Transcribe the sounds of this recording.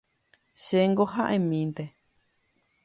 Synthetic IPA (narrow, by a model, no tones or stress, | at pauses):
ʃeŋɡohaʔẽmĩnt̪e